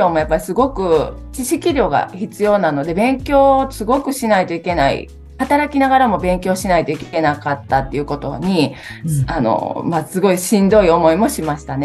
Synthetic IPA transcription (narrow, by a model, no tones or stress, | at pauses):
o̞ːmo̞japːaɾʲisɨɡo̞kɯ̟ | t͡ɕiɕikʲiɾʲo̞ːɡa̰çit͡sɨjo̞ːnano̞d̪e̞bẽ̞ŋkʲo̞ːsɨɡo̞kɯ̟ɕinait̪o̞ike̞naḭ | hat̪aɾakʲinaɡaɾamo̞bẽ̞ŋkʲo̞ːɕinait̪o̞ikʲke̞nakat̪ːat̪ːe̞iɯ̟ko̞t̪o̞̰ɲ̟i | ano̰masɨɡo̞iɕĩnd̪o̞io̞mo̞imo̞ɕimaɕi̥t̪ane